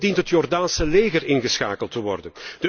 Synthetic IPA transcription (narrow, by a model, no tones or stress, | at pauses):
dintɦətjɔrdaːnsəleːɣərɪnɣəsxa̰ːkəlˠtəʋɔrdənd̥ə